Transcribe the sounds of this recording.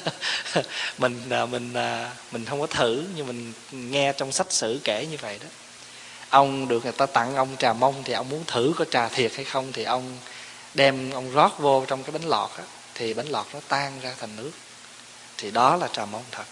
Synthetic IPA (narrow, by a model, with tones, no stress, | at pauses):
mï˨˩ŋ̟əː˨˩mï˨˩ŋ̟əː˨˩mï˨˩ŋ̟hə˧wŋ͡mkɔ˨˦t̪ʰɨ˧˩ɲɨ˧mï˨˩ŋ̟ | ŋɛ˧t͡ɕɔ˧wŋ͡msa˦˥t̚sɨ̰˧˩˨kɛ˧˩ɲɨ˧və̰˧˨jɗɔ˨˦ | ʔə˧wŋ͡mɗɨ˨˩ək̚ŋɨ˨˩jt̪aː˧t̪a̰˧ŋʔə˧wŋ͡mt͡ɕaː˨˩mə˧wŋ͡mt̪ʰi˨˩ʔə˧wŋ͡mmu˨˦ənt̪ʰɨ˧˩kɔ˨˦t͡ɕaː˨˩t̪ʰi˨˩ət̚ha˧jxə˧wŋ͡mt̪ʰi˨˩ʔə˧wŋ͡m | ɗɛ˧mʔə˧wŋ͡mzɔ˦˥t̚vo˧t͡ɕɔ˧wŋ͡mkaː˨˦jɓa˨˦jŋ̟lɔ̰˨˩t̚ʔaː˨˦ | t̪ʰi˨˩ɓa˨˦jŋ̟lɔ̰˨˩t̚nɔ˨˦t̪aː˧ŋzaː˧t̪ʰa˨˩ŋ̟nɨ˦˥ək̚ | t̪ʰi˨˩ɗɔ˨˦laː˨˩t͡ɕaː˨˩mə˧wŋ͡mt̪ʰə˨˩t̚